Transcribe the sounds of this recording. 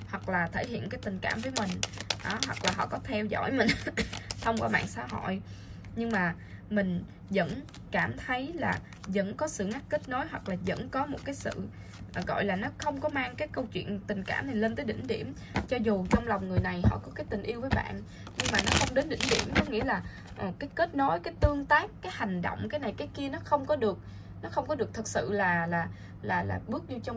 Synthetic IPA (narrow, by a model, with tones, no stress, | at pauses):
hwa˨˩k̚laː˨˩t̪ʰəː˧˩jhḭ˧˨ənkaː˨˦jt̪ï˨˩ŋ̟kaː˧˩mvəː˨˦jmï˨˩ŋ̟ʔɔ˨˦ɦwa˨˩k̚laː˨˩ɦɔ̰˧˨kɔ˨˦t̪ʰɛ˧wzɔ̰˧˩˨jmï˨˩ŋ̟t̪ʰə˧wŋ͡mkwaː˧˩ɓa̰ː˧˨nsaː˧ɦo̰˧˨j | ɲɨ˧ŋmaː˨˩ | mï˨˩ŋ̟ | zə̰˧˥n | kaː˧˩mt̪ʰə˨˦jlaː˨˩ | zə̰˧˥nkɔ˨˦sɨ̰˧˨ŋa˦˥k̚kï˦˥t̚no˨˦jɦwa˨˩k̚laː˨˩zə̰˧˥nkɔ˨˦mo˨˩t̚kaː˨˦jsɨ̰˧˨˩ | ɣɔ̰˧˨jlaː˨˩nɔ˨˦xə˧wŋ͡mkɔ˨˦maː˧ŋkaː˨˦jkə˧wt͡ɕwḭ˧˨ənt̪ï˨˩ŋ̟ka̰ː˧˩mna˨˩jle˧nt̪əː˨˦jɗḭ̈˧˩ŋ̟ɗḭ˧˩əm | t͡ɕɔ˧zu˨˩t͡ɕɔ˧wŋ͡mla˨˩wŋ͡mŋɨ˨˩əjna˨˩jhɔ̰˧˨kɔ˨˦kaː˨˦jt̪ï˨˩ŋ̟ʔi˧əwvəː˨˦jɓa̰ː˧˨n | ɲɨ˧ŋmaː˨˩nɔ˨˦xə˧wŋ͡mɗe˨˦nɗï˧˩˨ŋ̟ɗḭ˧˩əmkɔ˨˦ŋḭ˧˥əlaː˨˩ | ʔə˨˩kaː˨˦jke˦˥t̚no˨˦jkaː˨˦jt̪ɨ˧əŋt̪aː˦˥kːaː˨˦jha˨˩jŋ̟ɗo̰˧˨wŋ͡mkaː˨˦jna˨˩jkaː˨˦jki˧ənɔ˨˦xə˧wŋ͡mkɔ˨˦ɗɨ˨˩ək̚ | nɔ˨˦xə˧wŋ͡mkɔ˨˦ɨ˨˩ək̚t̪ʰə˨˩t̚sɨ̰˧˨laː˨˩laː˨˩ | laː˨˩la̰ː˨˩ɓɨ˦˥ək̚ɲu˧t͡ɕɔ˧